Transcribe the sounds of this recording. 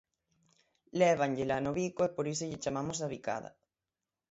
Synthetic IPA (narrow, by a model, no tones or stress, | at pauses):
leβ̞anʎelanoβikoepoɾisoʎɪt͡ʃamamosaβika̰ða̰